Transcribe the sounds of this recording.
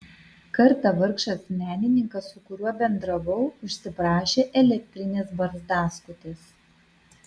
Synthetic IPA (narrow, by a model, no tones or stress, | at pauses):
kɐɾt̪ɑʋɐɾkʃɐsmʲæːnʲɪnʲɪŋkɐsʊkʊɾʲuɔbʲɛnd̪ɾɐʋɐʊʊʃʲsʲɪpɾɑːʃʲeːʔɛlʲɛk̚ʲt̪ʲɾʲɪnʲeːsbɐɾzd̪ɑːskʊt̪ʲeːs